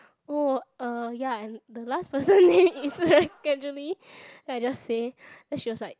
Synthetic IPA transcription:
oʌjaɛ̃nd̪əlaspəsə̃nːẽmisəɡɛd͡ʒuəli | dad͡ʒasse | lɛtsjɔsaɪ

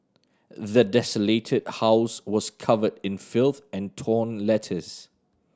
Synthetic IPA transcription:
ðədɛsəletʰɪd̥̚haʊswɔskʰʌvədɪ̃nfɪlˠθɛ̃ntʰɔːnlɛtʰəs

